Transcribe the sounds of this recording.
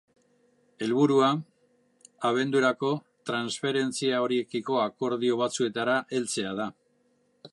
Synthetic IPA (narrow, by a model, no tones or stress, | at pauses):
e̞lβuɾua | aβ̞e̞nd̪uɾako̞ | t̪ɾansfe̞ɾe̞nt͡siao̞ɾie̞kiko̞ako̞ɾð̞io̞β̞at͡sue̞t̪aɾaʔe̞lt͡se̞að̞a